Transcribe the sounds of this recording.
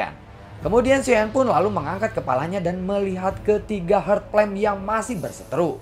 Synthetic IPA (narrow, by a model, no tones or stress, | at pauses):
a̰n | kəmudiansianpʊnlaluməŋaŋkat̪̚kəpa̰laɲadanməliɦat̪kət̪iɡaɦərt̪̚plɛmjaŋmasɪhbərsə̥t̪əɾu